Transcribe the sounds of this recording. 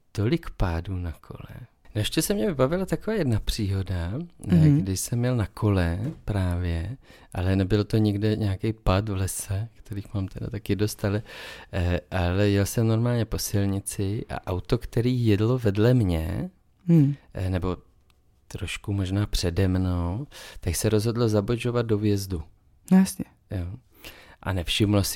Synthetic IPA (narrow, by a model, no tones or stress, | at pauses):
t̪o̞lɪkpaːduːnakʰo̞̰lɛ̰ | nʃcɛsɛmɲɛvɪbavɪlat̪akovaːjɛdnapr̥iːɦo̞da | ɡdɪʃsɛmjɛlnakʰo̞lɛpɾaːvjɛ | ʔalɛnɛbɪlt̪o̞ɲɪɡdɛɲɛakejpat̪vlɛsɛkt̪ɛɾiːxmaːmt̪ɛda̰t̪akɪdo̞st̪alɛ | ʔalɛjɛlsɛmno̞ɾmaːlɲɛpo̞sɪlɲɪt͡sɪʔa̰ʔawt̪o̞kt̪ɛɾiːjɛdlovɛdlɛmɲɛ̰ | nɛbo̞ | t̪ɾoʃkumo̞ʒnaːpr̝̥ɛdɛmnowt̪aksɛɾozɦo̞dlozaboʒo̞vad̪̚do̞vjɛzdu | jsɲɛ | jo | ʔa̰nɛfʃɪmlos